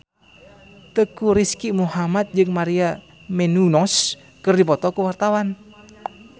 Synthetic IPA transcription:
t̪əkuɾiskimuɦamat̪̚d͡ʒəŋmaɾia | menunɔs | kərdipɔt̪ɔkəwart̪awan

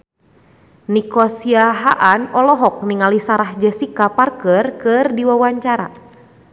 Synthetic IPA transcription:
nikɔsiaɦaʔanɔlɔɦɔk̚niŋalisaɾahd͡ʒɛsikaparkərkɨrdiwawaɲt͡ʃaɾa̰

